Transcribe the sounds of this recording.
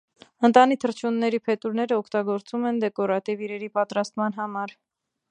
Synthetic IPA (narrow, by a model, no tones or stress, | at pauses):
ənt̪ɑnit̪ʰəɾt͡ʃʰunːɛɾipʰɛt̪uɾnɛɾəɔkʰt̪ɑɡɔɾt͡sumɛnd̪ɛkɔɾɑt̪iviɾɛɾipɑt̪ɾɑst̪mɑn̪ɦɑmɑɾ